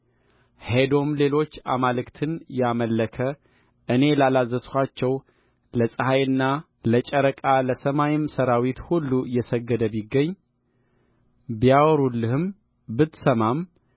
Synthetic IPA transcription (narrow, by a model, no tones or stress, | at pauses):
hed̪o̞mle̞lo̞t͡ʃːa̰malɨkt̪ʰɨnjaməlːəkʰə | ʔɨne̞lalazːəskʷat͡ʃːɛw | ləsʼɨhajɨnːa | lət͡ʃʼəɾəkʼaləsəmajɪmsəɾawit̪hulːujɛsəɡːəd̪əbiɡːəɲː | bijawɔɾulːɨhɨm | bɨt̪səmam